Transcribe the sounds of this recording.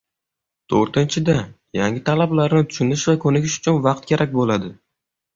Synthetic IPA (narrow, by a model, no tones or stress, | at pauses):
t̪ʰoɾt̪ɪnt͡ʃʰɪd̪a | jaŋʲɪt̪ʰalablaɾnɪt̪ʰʊ̥ʃʊnɪʃvakʰɵnɪkʲɪʃʊ̥t͡ʃʰʊnvɑq̚t̪̚kʲʰe̞ɾak̚ʲbolad̪ɪ